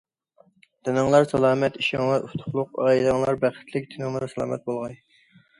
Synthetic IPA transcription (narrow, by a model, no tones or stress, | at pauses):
t̪ʰɪnɨŋlˠɑɾsɑlˠɑːmɛt̪iʃɑŋlˠɑɾʔuft̪ʰʊ̥χlˠʊqɑːilɑŋlˠɑɾbæχɪ̥t̪ʰlɪk̚ʲt̪ʰɪnɨŋlˠɑɾsɑlˠɑ̰ːmɛ̰t̪̚bolˠʁɑj